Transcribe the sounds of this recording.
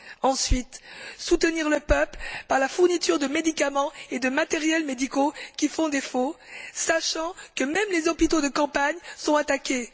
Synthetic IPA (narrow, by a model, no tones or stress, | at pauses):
ɑ̃sɥit̪sut̪əniʁləpœplpaʁlafuʁnit̪yʁd̪əmed̪ikamɑ̃ed̪əmat̪ɛʁjɛlmed̪ikokʲifɔ̃d̪efosaʃɑ̃kəmɛmlezɔpit̪od̪əkɑ̃paɲsɔ̃at̪akʲe